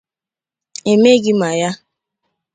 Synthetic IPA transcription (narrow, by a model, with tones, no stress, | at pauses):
e˨me˦ɡi˦ma˨ja˦